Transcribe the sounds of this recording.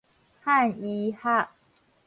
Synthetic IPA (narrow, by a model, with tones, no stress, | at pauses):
ha˥˨ni˧ha˥˩ʔ